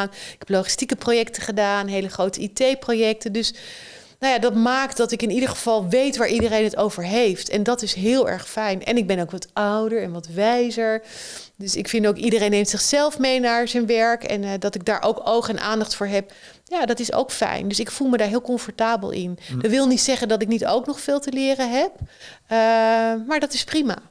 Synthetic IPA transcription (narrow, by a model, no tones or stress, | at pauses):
anɪkɦɛ̥ploχi̥stikəprojɛktəχədaːnɦejləχrowtəitejprowjɛk̚təndɵs | nawjaːdɑtmaːktdɑtɪkɪnidəɹχəv̥ɑlˠʋejtʋaːɹʔidərejnɦətowvəɹɦejftʰɛ̰ndɑtɪsɦɪːlˠɛ̰ɹχfɛjnɛ̰nɪɡ̚bɛnowkʋɑtɑwdəɹɛnʋɑtʋɛjzəɹ | døsɪkfɪndowkidərejnːejmtsɪχsɛlˠfmejnaːɹzənʋɛɹkɛ̰ndɑtɪɡ̚daːɹʔowkowχənʔa̰ːndɑχtfʊːɹɦɛp̚ | jaːdɑtɪso̰wkfɛ̰jndɵsɪkfulˠmədaːɹɦɪːlˠkɔɱfɔɹtaːbə̰lˠʔɪ̰ndəʋɪlˠnitsɛχəndɑtɪknito̰wknɔχfɪːlˠtəlɪːrənɦɛp̚ | maːɹdɑtɪsprima̰